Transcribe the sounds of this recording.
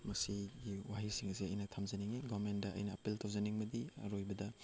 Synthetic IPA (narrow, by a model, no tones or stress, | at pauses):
mɐsiɡiwaɦisiŋɐsiɐ̰jnɐtʰamzɐniŋiɡamendɐʔɐ̰jnɐːpiltʰawzɐniŋmɐdiɐ̰ɾojbɐdɐ